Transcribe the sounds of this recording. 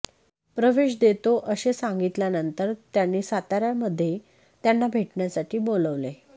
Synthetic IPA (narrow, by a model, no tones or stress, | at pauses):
pɾəʋeɕ̬d̪et̪oʔəɕesaŋɡit̪ljanənt̪əɾt̪janːiːsat̪aɾjaməd̪ʱːje | t̪janːabʱeʈɳjasaʈʰiːboləʋle